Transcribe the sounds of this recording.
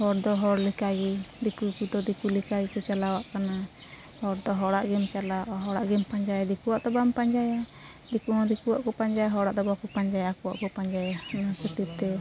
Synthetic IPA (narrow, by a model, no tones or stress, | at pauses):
hɔɾd̪ɔɦɔɾlɛkaɡid̪ikukud̪ɔd̪ikulikaɡikɔt͡ʃalawaʔkana | hɔɾd̪ɔɦɔɽaʔɡimt͡ʃalaaʔaɦɔɽaʔɡimpaɲd͡ʒajad̪ikuwaʔd̪ɔbampaɲd͡ʒaja | d̪ikunɔd̪ikuwaʔkɔpaɲd͡ʒajaɦɔɽaʔd̪ɔbakupaɲd͡ʒajaakuwa̰ʔkɔpaɲd͡ʒajanaakit̪ip̚t̪ɛ